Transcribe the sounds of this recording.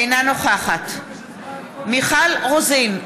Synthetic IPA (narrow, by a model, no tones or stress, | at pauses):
jnanoχaχat̪ | miχalʁozin